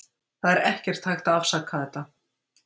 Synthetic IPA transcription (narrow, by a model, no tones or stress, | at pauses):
θaðɛɾɛhcɛr̥t̪ʰːajxt̪aðafsakʰːaðɛht̪ːa